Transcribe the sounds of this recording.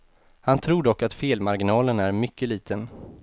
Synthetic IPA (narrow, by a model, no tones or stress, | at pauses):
hant̪ʰɾuːɖɔkːat̪feːlmaɾɡɪnɑːlənæɾmʏkːəliːt̪ʰən